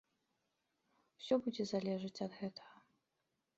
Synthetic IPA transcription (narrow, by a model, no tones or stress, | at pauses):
wsʲɔbud͡zʲɛzalʲɛʐɨt͡sʲɐd̪ɣɛt̪ɐ̥ɣɐ